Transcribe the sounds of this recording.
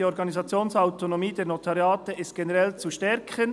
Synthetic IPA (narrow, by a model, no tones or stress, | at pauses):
iɔɾɡɑnizɑt͡sjoːnsaʊtonomiːdeːnotʰaɾjaːtəɪst̚ɡ̥enəʁɛlt͡suʃtɛɾkʰən